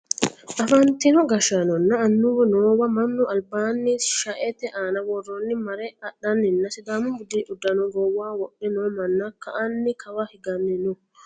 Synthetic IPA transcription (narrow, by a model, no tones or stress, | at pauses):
ʔɐfɐnt̪ɪnɔɡɐʃanɔnːɐːnːʊwɔnoːwɐmɐnːʊɐlbaːnːɪsʃɐʔɛt̪ɛʔaːnɐwɔrːɔnːɪmɐɾɛɐɗɐnːɪnːɐsɪd̪aːmʊbʊd̪iʔʊd̪ːɐnɔɡɔwːaːwɔɗːɛnoːmɐnːɐkʰɐʔɐnːɪkʰɐwɐhɪɡɐnːɪnʊ